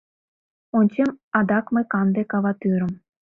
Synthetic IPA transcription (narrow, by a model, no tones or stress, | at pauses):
onʲt͡ɕemɑd̪ɑkmɤ̆jkɑnd̪ekɑβɑt̪yɾɤ̆m